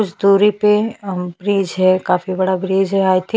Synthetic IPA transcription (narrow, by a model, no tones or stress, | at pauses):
ʊd͡ʒd̪uːɾipebɾiːd͡ʒɦɛkaːfibɐɽabɾiːd͡ʒɦɛaːjt̪ʰi